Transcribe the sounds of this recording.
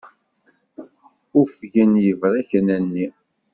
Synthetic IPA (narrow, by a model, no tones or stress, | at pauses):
ufʝənjəvɾæçənænːi